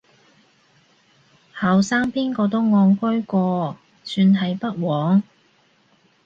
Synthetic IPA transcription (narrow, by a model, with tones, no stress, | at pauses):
hɐ˨wsaː˥ŋpiː˥nkɔː˧t̪o˥wŋɔː˨˧ŋkɵ˥ɥkʷɔː˧ | syː˧nɦɐ˨jpɐ˥t̚wɔː˨˥ŋ